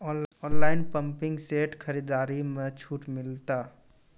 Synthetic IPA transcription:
ɔːɔːnlaːɪnpə̃mpɪ̃ŋɡseːʈkʰəɾiːd̪aːɾimẽt͡ʃʰuːʈmɪlt̪aː

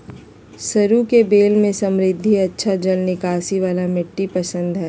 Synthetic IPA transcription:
sɐɾukebeːlmẽsɐ̃mɾɪd̪ʱːiɐtːʃʰad͡ʒɐlnɪkaːsiʋaːlamɪʈːipɐsə̃nd̪ɦɛː

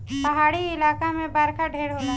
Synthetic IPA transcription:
pɐɦaːɽiɪlaːkamẽbaːɾkaɖʱeːɽɦoːna

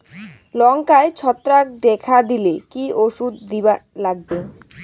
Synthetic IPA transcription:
lɔŋkaet͡ɕʰɔt̪ːɾak̚d̪ɛkʰad̪ilekioʃud̪ːibalaɡ̚be

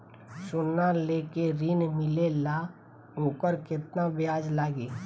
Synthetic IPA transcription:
sʊnːaleːkeɾinmɪlela | õːkəɾkɪt̪nabɪjaːd͡ʒlaːɡeː

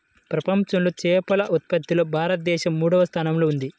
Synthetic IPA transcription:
pɾɐpɐmt͡ʃɐmlo̞ːt͡ʃɛːpɐlɐʔut̪̚pɐd̪ːiloːbʱaːɾɐt̪̚d̪ɛːʃɐmːuːɽɐʋɐst̪ʰaːnɐmlo̞ːund̪i

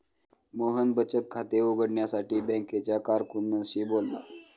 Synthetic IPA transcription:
moɦənbət͡ɕət̪̚kʰat̪euɡəɽɳjasaʈʰiːbɛ̃ŋket͡ɕjakaɾkunːəɕiːbolːa̰

